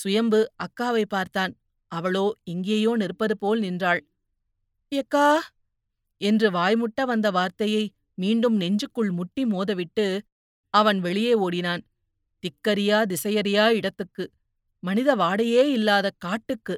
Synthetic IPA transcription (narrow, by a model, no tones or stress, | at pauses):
sʊjɐmbɯʔɐkːaːʋɐɪpːaːɾt̪aːn | ɐʋɐɭoːɪŋɡɪjɐjoːnɪɾɯpːɐðɯpoːlnɪndraːɭ | jɛkːaː | ɛndrɯʋaːjmʊʈːɐʋɐnd̪ɐʋaːɾt̪ɐjɐɪ | miːɳɖɯmnɛɲd͡ʒɯkːɯɭmʊʈːimoːðɐʋɪʈːɯ | ɐʋɐnʋɛɭɪjeːoːɽɪnaːn | t̪ɪkːɐɾɪjaːd̪ɪsɐjɐɾɪjaːɪɽɐt̪ːɯkːɯ | mɐnɪðɐʋaːɽɐjeːɪlːaːðɐkaːʈːɯkːɯ